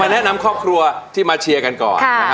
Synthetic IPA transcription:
aː˧nɛ˦˥ʔna˧mkʰɾɔː˥˩p̚kʰɾu˧ɐt̪ʰiː˥˩maː˧t͡ɕʰi˧əɐka˧nkɔ̰ː˨˩˥

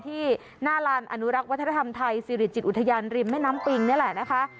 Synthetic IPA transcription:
t̪ʰiː˥˩ | naː˥˩laː˧nʔa˧nu˦˥ɾa˦˥k̚wt̪ʰːna˧t̪ʰa˧mt̪ʰa˧jsiː˧ɾi˨˩t̪̚t͡ɕi˨˩ʔu˨˩t̪ʰːjaː˧nɾi˧˩mːa˥˩jnaː˦˥mpi˧ŋni˥˩˨lɛ˨˩na˦˥kʰa˦˥ʔ

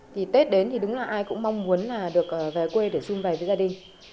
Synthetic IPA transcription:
t̪ʰi˨˩t̪e˦˥t̚ɗe˨˦nt̪ʰi˨˩ɗʊ˨˦ŋ͡mlaː˨˩ʔaː˧jkʊ̰˧˥ŋ͡mma˧wŋ͡mmu˨˦ənlaː˨˩ɗɨ˨˩ək̚ʔəː˨˩vɛː˨˩kwe˧ɗe˧˩sʊ˧mva˨˩vəː˨˦zaː˧ɗï˨˩ŋ̟

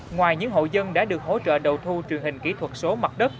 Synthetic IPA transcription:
ŋwaː˨˩jɲɨ̰˧˥ŋɦo̰˧˨zə˧nɗa̰ː˧˥ɗɨ˨˩ək̚ɦo̰˧˥t͡ɕə̰ː˧˨ɗə˨˩wt̪ʰu˧t͡ɕwi˨˩ənhï˨˩ŋ̟kḭ˧˥t̪ʰwə˨˩t̚so˨˦ma˨˩t̚ɗə˦˥t̚

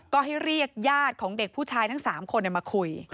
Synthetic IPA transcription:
kɔː˥˩ɦa˥˩jɾi˥˩ək̚jaː˥˩t̪̚kʰɔː˩˦ŋde˨˩k̚pʰuː˥˩t͡ɕʰaː˧jt̪ʰa˥˩ŋsaː˩˦mkʰo˧na˨˩maː˧kʰu˧j

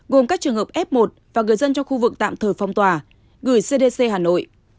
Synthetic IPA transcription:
ɣo˨˩mkaː˦˥k̚t͡ɕɨ˨˩əŋhə˨˩p̚ʔɛ˦˥p̚mo˨˩t̚vaː˨˩ŋɨ˨˩əjzə˧nt͡ɕɔ˧ŋ͡mxu˧vɨ˨˩k̚t̪a̰ː˧˨mt̪ʰəː˨˩jfa˨˩wŋ͡mt̪waː˨˩ | ɣɨ˧˩jse˧ɗe˧se˧ɦaː˨˩no̰˧˨j

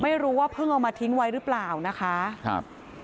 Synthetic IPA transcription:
ma˥˩jɾuː˦˥waː˥˩pʰɯ˥˩ŋʔa˨˩wmaː˧t̪ʰi˦˥ŋwa˦˥jɾɯː˦˥plaː˨˩wna˦˥kʰa˦˥kʰa̰˧˥˩p̚

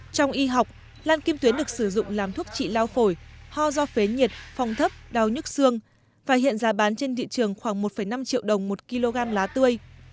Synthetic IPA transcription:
t͡ɕɔ˧wŋ͡mʔi˧ɦa˨˩wk͡p̚ | laː˧nki˧mt̪wi˨˦nɗɨ˨˩ək̚sɨ˧˩zʊ̰˧˨ŋ͡mlaː˨˩mt̪ʰu˦˥ək̚t͡ɕḭ˧˨laː˧wfo˧˩jhɔ˧zɔ˧fe˨˦ɲi˨˩ət̚fɔ˨˧˩wŋ͡mt̪ʰə˦˥p̚ɗa˨˩wɲɨ˦˥t̚sɨ˧əŋ | vaː˨˩ɦḭ˧˨ənzaː˨˦ɓaː˨˦nt͡ɕe˧nt̪ḭ˧˨t͡ɕɨ˨˩əŋxwaː˧˩ŋmo˨˩t̚fə˧˩jna˧mt͡ɕḭ˧əwɗə˨˩wŋ͡mmo˨˩t̚ki˧lo˧ɣaː˧mlaː˨˦t̪ɨ˧əj

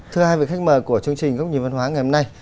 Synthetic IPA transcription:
t̪ʰɨ˧əhaː˧jvi˨˩˨kxa˥k̚məː˨˩ku˧˩ət͡ɕɨ˧əŋt͡ɕï˨˩ŋ̟ɣə˦˥k͡p̚ɲi˨˩mva˧nɦwaː˨˦ŋa˨˩jho˧mna˧j

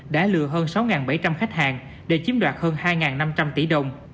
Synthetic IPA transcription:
ɗa̰ː˧˥lɨ˧˨əɦəː˧nsa˨˦wŋaː˨˩nɓa˧˩jt͡ɕa˧mxa˦˥jk̚haː˨˩ŋ | ɗe˧˩t͡ɕi˨˦nɗwaː˨˩t̚həː˧nhaː˧jŋaː˨˩nːa˧mt͡ɕa˧mt̪i˧˩˦ɗə˨˩wŋ͡m

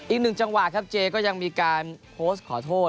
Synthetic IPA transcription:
ʔi˨˩k̚nɯ˨˩ŋt͡ɕa˧ŋwa˨˩t̪̚kʰa˦˥p̚t͡ɕeː˧kɔː˥˩ja˧ŋmiː˧kaː˧npʰoː˦˥st̚kʰɔː˩˦t̪ʰoː˥˩

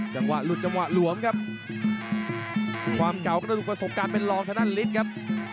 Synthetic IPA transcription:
t͡ɕa˧mwa̰˨˩t̪̚lu˨˩t̪̚t͡ɕa˧mwaː˨˩lu˨˩˦əmkʰa˦˥p̚ | kʰwaː˧mka˨˩wka˥˩a˧u˨˩pɾa˧so˨˩p̚kaː˧npe˧nlɔː˧ŋt̪ʰa˧˦na˥˩nli˦˥t̪̚kʰa˦˥p̚

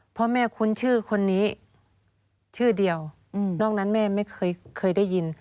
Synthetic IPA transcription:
pʰɔ˧mɛː˧˩kʰu˧˨nt͡ɕʰɯː˥˩kʰo˧nːiː˦˥ | t͡ɕʰɯː˥˩di˧əw | nɔː˥˩k̚na˦˥nmɛː˧˩ma˥˩jkʰɤː˧˨jkʰɤː˧˩˨jda˥˩jːi˧n

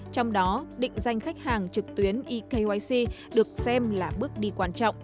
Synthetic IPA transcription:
t͡ɕɔ˧wŋ͡mɗɔ˨˦ɗḭ̈˧˨ŋ̟za˧˩jŋ̟xa˦˥jk̚haː˨˩ŋt͡ɕɨ˨˩k̚t̪wi˨˦ənʔi˧ke˧jwa˧jsi˧ | ɗɨ˨˩ək̚sɛ˧mlaː˨˩ɓɨ˦˥ək̚ɗi˧kwaː˧nt͡ɕɔ̰˧˨wŋ͡m

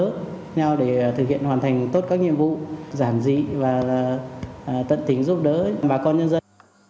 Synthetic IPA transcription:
ɲa˧wɗe˧˩t̪ʰɨ˨˩k̚hḭ˧˨ənhwaː˨˩nt̪ʰa˨˩jŋ̟t̪o˦˥t̚kaː˦˥k̚ŋḭ˧˨əmvṵ˧˨zaː˧˩nzḭ˧˨vaː˨˩˨ | t̪ə̰˧˨nt̪ï˨˦ŋ̟zu˦˥p̚ɗəː˨˦˧ɓaː˨˩kɔ˧nɲə˧nzə˧

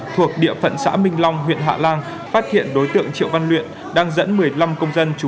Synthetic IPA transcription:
t̪ʰu˨˩ək̚ɗḭ˧˨əfə̰˧˨nsa̰ː˧˥mï˧ŋ̟la˧wŋ͡mɦwḭ˧˨ənɦa̰ː˧˨laː˧ŋ | faː˦˥t̚hḭ˧˨ənɗo˨˦jt̪ɨ̰˧˨əŋt͡ɕḭ˧˨əwva˧nlwḭ˧˨ən | ɗaː˧ŋzə̰˧˥nmɨ˨˩əjla˧mkə˧wŋ͡mzə˧nt͡ɕu˨˦

